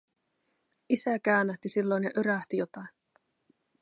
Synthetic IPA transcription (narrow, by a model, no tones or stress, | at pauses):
isækæønːæht̪isilːo̞jnɑʔøɾæht̪ijo̞t̪ɑjn